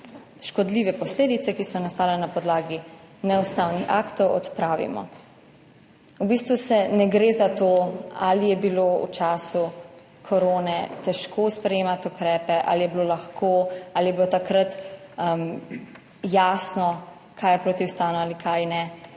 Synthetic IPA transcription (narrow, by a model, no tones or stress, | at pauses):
ʃkɔd̪liʋɛpɔsleːd̪it̪sɛkisɔnast̪aːlɛnapɔd̪laːɡi | nɛust̪awnixa̰kt̪ɔwɔt̪pɾaːʋḭmɔ̰ | ubiːst̪ʋusɛnɛɡɾeːzat̪oalijɛbiloṵt͡ʃaːsu | kʰɔɾoːnɛt̪ɛʃkoːspɾɛjeːmat̪ukɾɛːpɛʔa̰lijɛbilolaxkʰoalijɛbilot̪akɾat̪m | jaːsnɔ | kʰaːjɛpɾoːt̪iust̪aːwnɔaːlikʰajnɛ